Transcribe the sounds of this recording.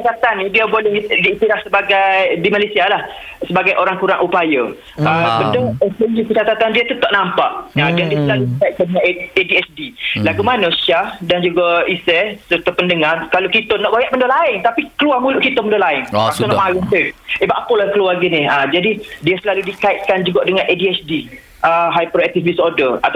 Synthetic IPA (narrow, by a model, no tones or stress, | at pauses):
ət͡ʃat̪at̪anːidiəbolɛhdiit̪iɾahsəbaɡajdimalajsialah | səbaɡajʔoɾaŋkuɾaŋʔupajə | əbəndəɛsənd͡ʒikət͡ʃat̪at̪andiət̪ut̪aʔnampaʔadandiəsəlaludikajʔ̚kadəɲaediɛsdilaɡumanəʃahdand͡ʒuɡaisɛsəɾt̪əpəndəŋarkalokit̪ənɔʔbajaʔməndolaɪŋt̪apikəluamũluʔkit̪əməndolaɪŋpak̚t̪unɔʔmaənt̪uebaʔpəlakəluarɡinɪhad͡ʒadidiəsəlaludikaɪt̪̚kand͡ʒuɡaʔdəŋãnʔediɛsdi | ʔəɦajpɾoɛk̚t̪ifisodəat̪